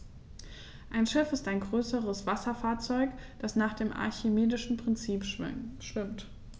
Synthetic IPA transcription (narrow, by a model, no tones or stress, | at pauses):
ʔaɪnʃɪfɪstaɪnɡʁøːsəʁəsv̥asɐfaːɐt͡sɔʏkd̥asnaːχd̥eːmʔa̰ɐçemeːdɪʃn̩pʁ̥ɪnt͡siːpʃɪ̰ʃtɪmt